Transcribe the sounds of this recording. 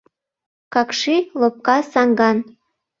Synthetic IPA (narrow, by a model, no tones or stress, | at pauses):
kɑkʃilop̚kɑsɑŋɡɑn